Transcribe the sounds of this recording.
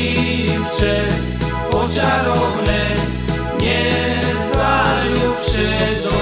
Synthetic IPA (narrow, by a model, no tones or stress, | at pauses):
i | ft͡ʂɛ | ɔt͡ɕaɾɔvnɛ | ɲɛ | zvaɾjupʂɛd̪ɔ